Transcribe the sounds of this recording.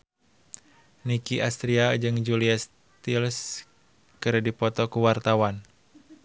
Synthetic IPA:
nikiʔast̪ɾiad͡ʒɨŋd͡ʒuliɛs | t̪ils | kɨɾdipɔt̪ɔkuwart̪awan

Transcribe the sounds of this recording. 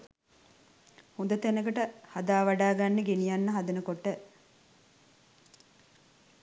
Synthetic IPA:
hud̪ət̪enəkəʈəhad̪aːʋaɖaːɡanːəɡenijanːəɦad̪ənəkoʈːə

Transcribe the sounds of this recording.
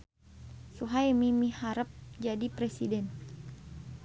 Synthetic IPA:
suɦajmimihaɾəp̚d͡ʒadipɾesidɛn

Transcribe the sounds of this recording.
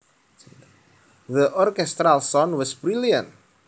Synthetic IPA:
ðəʔɔrkɛst̪ɾalˠsɔ̃nwɔsbɾiljə̃nt̚

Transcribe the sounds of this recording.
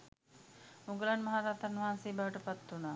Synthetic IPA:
muɡəlanmɐɦaɾaːt̪anʋɐɦanseːbaːʋəʈəpat̪ːunaː

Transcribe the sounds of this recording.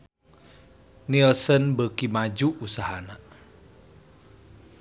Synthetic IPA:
nilsənbəkimad͡ʒuʔːsaɦana

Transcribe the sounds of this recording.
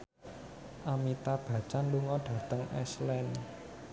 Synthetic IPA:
ʔamit̪ab̥ä̤t͡ʃanluŋɔɖ̥ä̤t̪əŋɛ̰slɛn

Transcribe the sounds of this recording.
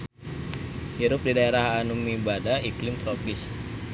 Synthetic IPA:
hiɾʊp̚didaeɾahanumibadaiklɪmt̪ɾɔkɪs

